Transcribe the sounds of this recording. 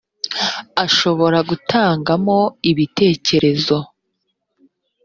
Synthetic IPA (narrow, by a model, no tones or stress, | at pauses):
aʃo̞βo̞ɾaɡutʰaːŋɡamo̞iβite̞ːce̞ɾe̞zo̞